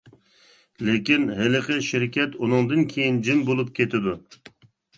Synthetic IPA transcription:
lekʲinɦelɨqʰəʃɪɾkʲʰɛt̪unɨŋd̪ɨnkʲʰejind͡ʒɪmbolˠup̚kʲʰet̪ʰɪd̪u

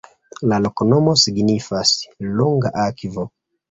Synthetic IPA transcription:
lalokonomosiɡnifasloŋɡaʔakvo

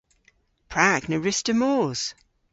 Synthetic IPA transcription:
pʰɹ̥aknəɹɪstəmɔːz̥

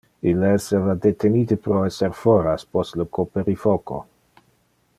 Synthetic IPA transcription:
ilesevad̪et̪ʰenid̪epɾoɛseɾfoɾaspostlokʰopeɾifoko̰

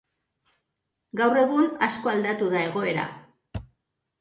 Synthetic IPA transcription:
ɡawre̞ɣ̞unasko̞ald̪at̪uðae̞ɣ̞o̞e̞ɾa̰

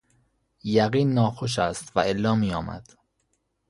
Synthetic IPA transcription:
jæɣiːnːɒːxoʃ̬æst̪væelːɒːmiːjɒːmæ̰d̪̥

